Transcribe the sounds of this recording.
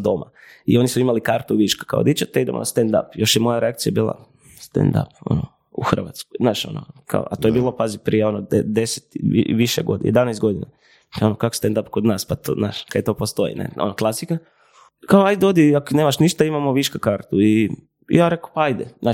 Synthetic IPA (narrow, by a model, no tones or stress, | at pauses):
d̪o̞mʔa̰io̞nisuimalikaɾt̪uʋiʃkḁka̰o̰d̪it͡ʃat̪eid̪e̞monast̪end̪a̰pjo̞ʃjemo̞jaɾeak̪̚sijabiːlˠa̰ | st̪ḛnd̪a̰po̰no | uxr̩ʋa̰t̪sko̥jznaːʃo̞̰no̰kʰa̰o̰at̪ojebiːlˠopazipɾijeo̞nod̪ed̪eset̪ḭʋiʃeɡo̰d̪ijed̪anajst̪ɡo̞d̪ina | o̞nokakost̪end̪apkod̪naːspat̪o̰zna̰ːʃkad̪jet̪o̞ːpost̪o̞jḭnʔḛo̞̰noklˠasika | kaoajd̪eod̪iaknemaʃniʃt̪aimamoʋiʃkakaɾt̪uḭ | jaːɾe̞ko̥paajd̪ezaːʃ